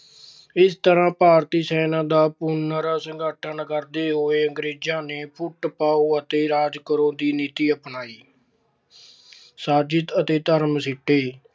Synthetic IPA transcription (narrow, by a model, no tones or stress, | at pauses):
ɪst̪əɾãːpaːɾt̪iːsɛːnãːd̪aːpʊnːəɾaːsəŋɡaːʈʰənkəɾd̪eːɦoːeːəŋɡɾeːd͡ʒãːneːpʰʊʈpaːoːət̪eːɾaːd͡ʒkəɾõːd̪iːniːt̪iːəpnaːiː | saːd͡ʒɪt̪ət̪eːt̪əɾmsɪʈːeː